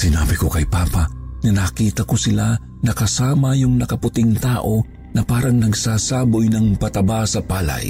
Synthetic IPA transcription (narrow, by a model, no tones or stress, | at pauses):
sɪnaːbɪko̞kɐjpaːpɐanɐnɐkiːt̪ɐkosɪla | nɐkɐsaːmɐjʊŋnɐkɐpʊt̪ɪŋt̪aːʔo̞ | nɐpaːɾɐŋnɐɡsaːsaːbojnɐŋpɐt̪ɐbasɐpaːlɐ̰j